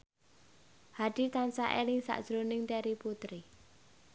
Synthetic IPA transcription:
haɖ̪̥i̤t̪ansaʔelɪŋsa̰ʔd̥ʒ̥ɾonɪŋt̪ɛɾiput̪ɾi

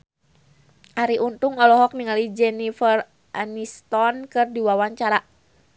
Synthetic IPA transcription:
ʔaɾiʔunt̪uŋɔlɔɦɔk̚niŋalid͡ʒɛnifər | ʔanist̪ɔnkɨrdiwawaɲt͡ʃaɾa

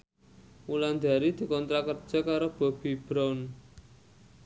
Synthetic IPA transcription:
wuland̪a̤ɾid̪̥i̤kɔnt̪ɾakərd̥ʒ̥a̤kaɾob̥ɔ̤b̥i̤b̥ɾawn

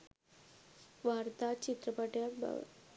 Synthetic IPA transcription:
ʋaɾt̪at͡ɕit̪ɾəpəʈjat̪̚b̰

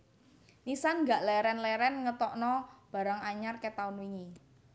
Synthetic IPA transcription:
nisanŋɡaʔlɛɾɛnlɛɾɛnŋət̪ɔʔnɔb̥a̤ɾaŋaɲarket̪aunwiɲi

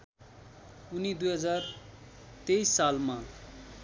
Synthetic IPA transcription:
unid̪ujɦʌd͡zar | t̪ejsːalma

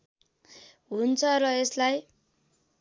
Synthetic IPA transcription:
ɦunt͡sʰʌrʌeslaj

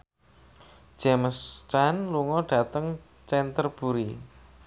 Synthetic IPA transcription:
d͡ʒ̥ɛməst͡ʃanluŋɔɖ̥ä̤t̪əŋ | t͡ʃɛnt̪ərb̥uɾi

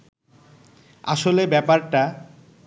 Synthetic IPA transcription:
a̰ʃolebɛpaɾʈa

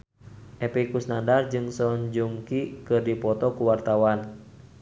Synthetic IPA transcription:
ʔɛpikusnandard͡ʒɨŋsɔɲd͡ʒuŋkikɨrdipɔt̪ɔkuwart̪awan

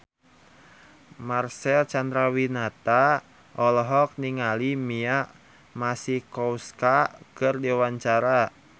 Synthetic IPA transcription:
marsɛlt͡ʃand̪ɾawinat̪a | ʔɔlɔɦɔk̚niŋalimiaʔ | masihkɔuskakɨrdiwaɲt͡ʃaɾa

